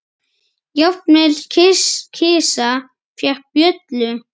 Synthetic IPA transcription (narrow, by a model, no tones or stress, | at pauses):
jawpnɛlcʰɪscʰɪːsa | fjɛhpjœt̪lʏ